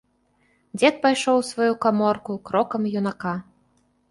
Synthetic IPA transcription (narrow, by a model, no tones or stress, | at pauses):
d͡zʲɛt̪̚pajʂɔwsvajukamɔrkukɾɔkɐmjunaka